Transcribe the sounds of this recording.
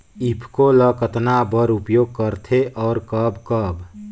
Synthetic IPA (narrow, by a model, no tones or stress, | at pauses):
ipʰkoləkət̪nabəɾupjoɡ̚kəɾt̪ʰeʔɔːɾkəbkəb